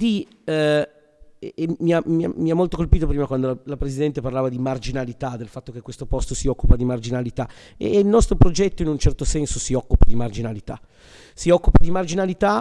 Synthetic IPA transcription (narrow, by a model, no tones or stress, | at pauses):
d̪̥i | miamia̰miamːolt̪okolpiːt̪opɾiːmakwand̪olalapɾezid̪ɛnt̪eparlaːvad̪imard͡ʒinalit̪ad̪ːelfat̪ːok̟ekːwest̪opɔst̪osiɔkːupad̪imard͡ʒinalit̪a̰ | ilnɔst̪ɾopɾod͡ʒɛt̪ːoinunt͡ʃɛrt̪osɛnsosiɔkːupad̪imard͡ʒinalit̪a̰ | siɔkːupad̪imard͡ʒinalit̪a